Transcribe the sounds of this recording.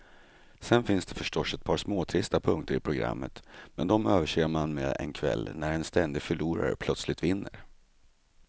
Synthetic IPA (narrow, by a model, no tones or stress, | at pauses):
sɛnfɪnsd̪ɛfœʂʈɔsɛt̪̚pʰɑːɾsmoːt̪ʰɾɪst̪apʰɵŋk̚t̪əɾɪpʰɾʊɡɾa̰mːət̪mɛnd̪ɔmøːvəʂeːmanmɛɛ̰nkʰvɛ̰lːnæɾɛnst̪ɛnd̪ɪɡfœɭuːɾa̰ɾə̰pʰlœt̪slɪt̪vɪnːə̰ɾ